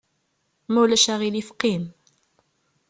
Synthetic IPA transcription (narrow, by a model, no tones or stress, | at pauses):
mæwlæʃæʁilifqːim